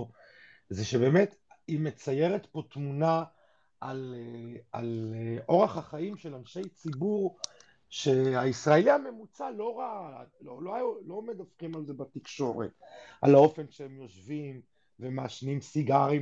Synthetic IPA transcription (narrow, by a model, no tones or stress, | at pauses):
zeʃe̞be̞ːme̞t̪ | ime̞t͡saje̞ʁet̪po̞t̪muna | ʔal | aleʔo̞ʁaχhaχaimʃe̞lanʃe̞jt͡sibuʁ | ʃeaisʁaeliame̞mut͡salo̞ʁalololo̞med̪afχimalzebat̪ikʃo̞ʁḛt̪ʔalao̞fe̞nʃeemjo̞ʃvim | vemaːʃnimsiɡaʁi